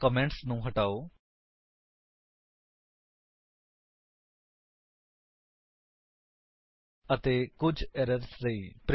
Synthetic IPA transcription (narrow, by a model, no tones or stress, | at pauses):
kəmẽːɳʈsnũːɦəʈaːoː | ət̪eːkʊd͡ʒʱɛːɾəɾsɾəiːpɾ